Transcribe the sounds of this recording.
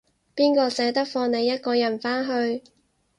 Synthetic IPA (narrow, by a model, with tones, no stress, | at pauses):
piː˥nkɔː˧sɛː˨˥t̪ɐ˥k̚fɔː˧ŋne˨˧jɐ˥t̚kɔː˧jɐ˨˩nfaː˥nɦɵ˧ɥ